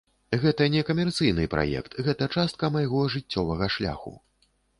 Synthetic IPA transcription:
ɣɛt̪ɐnʲɛkɐmʲɛrt̪sɨjnɨpɾʔa̰jɛ̰kt̪ɣɛt̪ɐt͡ʂast̪̚kɐmajɣɔʐɨt͡sʲːɔvɐɣɐʂlʲa̰xṵ

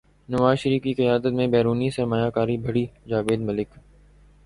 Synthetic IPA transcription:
nəʋaːzʃəɾiːfkiːqɪjaːd̪ət̪̚mẽbɛːɾuːnisɐɾmaːjaːkaːɾibʱəɽiːd͡ʒaːʋeːd̪məlɪk

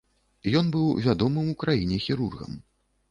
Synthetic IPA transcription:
jɔnbɨwvʲad̪ɔmɨmukɾajinʲɛxʲiɾurɣɐ̰m

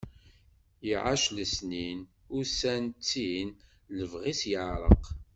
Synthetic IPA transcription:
jiʕa̰ʃləsnin | ʊɾsænt͡sːin | ləvʁisjəʕɾˤə̰q

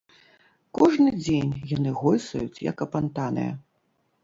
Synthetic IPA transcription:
kɔʐnɨd͡zʲenʲjan̪ɨɣɔjʲsɐjut͡sʲjɐ̰kɐpant̪anɨ̰jɐ̰

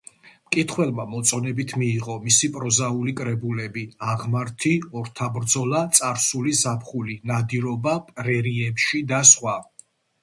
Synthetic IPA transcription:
mkʼit̪ʰχwɛlˠmamɔt̪sʼɔnɛbit̪ʰmiːʁɔmisipʼɾɔzaulikʼɾɛbulɛbiaʁmaɾt̪ʰiɔɾt̪ʰabɾd̪zɔlˠat̪sʼaɾsulizapʰχulinad̪iɾɔbapʼɾɛɾiɛpʃid̪asχwa

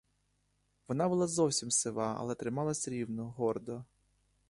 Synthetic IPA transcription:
ʋɔnɑbʊlˠɑzɔwsʲimsɪʋɑɐ̰lˠɛt̪ɾɪmɑlˠɐsʲɾʲiwnɔɦɔrd̪ɔ

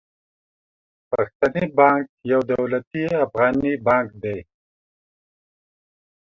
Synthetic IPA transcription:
paxt̪anibɑːŋk̚jawd̪awlat̪iafɣɑːnibɑːŋkd̪ej

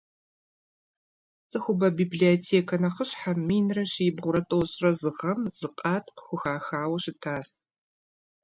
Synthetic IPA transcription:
t͡sʼɨxʷʊbɐbiːbliotʰeːkʰɐnɐχəɕħamːiːnrɐɕiɪbʁʷʊɾɐtʼoːɕʼrɐzɨʁɐmz̥ɨqʼɑːtʰqxʷʊxaːxaːwɐɕɪtʰaːs

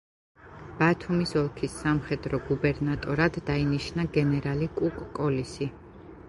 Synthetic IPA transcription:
b̥at̪ʰumisɔlˠkʰisːamχɛd̪ɾɔɡubɛɾnat̪ʼɔɾad̪̥ːainiʃnaɡɛnɛɾalikʼukʼkʼɔlisi

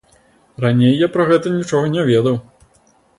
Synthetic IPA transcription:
ranʲejːapɾɐɣɛt̪ɐnʲit͡ʂɔɣɐnʲɛvʲeɛd̪ɐw

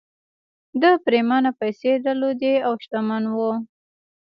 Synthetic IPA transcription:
d̪əpɾemɑnapajsed̪əlod̪eawʃt̪amanwo

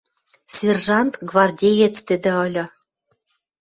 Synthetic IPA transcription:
sʲerʒɑnt̪ɡvɑrdʲejet͡st̪ɘ̆d̪ɘ̆ɤ̆lʲɤ̆

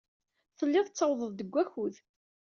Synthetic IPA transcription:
θəlːɪðˤt͡sːəwðˤəðˤd̪əɡʷːæçuð

